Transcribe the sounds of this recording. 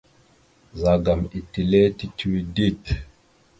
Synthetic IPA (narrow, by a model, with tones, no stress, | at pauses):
za˨ɡa˨mi˨ti˨lɛ˦ti˦ti˦wi˦di˦t